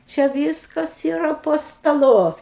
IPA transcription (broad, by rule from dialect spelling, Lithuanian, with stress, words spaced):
t͡ʃʲɛ ˈʋʲiːskɐs iːˈrɐ poː stɐˈlˠʊ